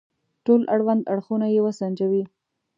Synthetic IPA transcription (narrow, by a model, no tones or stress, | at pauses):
ʈolaɽwand̪aɽxunajewəsand͡ʒawi